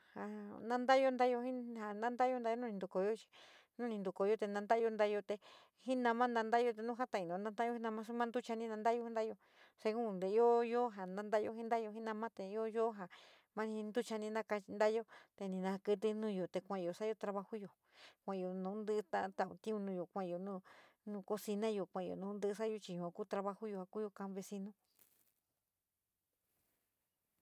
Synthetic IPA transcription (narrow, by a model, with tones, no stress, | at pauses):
ha˨nã˦˧nd̪a˦jo˧nd̪a˦jo˧hĩ˦ha˨nã˦nd̪a˦jo˧nd̪a˧˦jo˧nũ˦nĩ˧nd̪u˨ko˨jo˦t͡ʃi̥˧ | nũ˦nĩ˧nd̪u˨ko˨jo˦˧t̪e˧nã˧nd̪a˦˧jo˧nd̪a˦jo˧t̪e˧ | hĩ˦nã˧mã˦nã˧nd̪a˦jo˧t̪e˧nũ˦ɦa˦t̪a˧˨ĩ˧nõ˨nã˧ã˦jo˦i˦nã˧mã˦s̬u˦mã˦nd̪u˦t͡ʃa˧nĩ˦nã˧nd̪a˦jo˧hi˦nd̪a˦jo˧ | se˧kũ˦˧nd̪e˨˧˦o˦jo˦ɦa˨nã˦nd̪a˦jo˧˦ɦĩ˦nd̪a˦jo˧ɦĩ˦nã˧mã˦t̪e˧i˧˦o˦jo˦ɦa˨ | mã˦nĩ˧i˧nd̪u˦t͡ʃa˧nĩ˧nã˦˧ka˧t͡ʃi˧nd̪a˦jo˦t̪e˧nĩ˧nã˧kɨ˧t̪̬ɨ˧nũː˦jo˨t̪e˧kʷã˧˨˧jo˨sa˦jo˧˦t̪ɾa˧βa˧hu˦jo˨ | kʷã˨˧jo˨nũ˨˦nd̪ɨ˦t̪ã˦˧t̪a˧˨ṵ˧t̪ĩ˦ũ˧nũ˧jo˨kʷã˧˨˧jo˨nũ˦˧nũ˧ko˧si˧nã˦jo˨kʷã˧˨˧o̰˨nũ˧˦nd̪ɨ˦˧s̬a˦jo˧t͡ʃi˧jũ˨ã˨˧ku˦t̪ɾa˧βa˧hu˦jo˧ha˨ku˦jo˧kã˧βe˧si˧nũ˦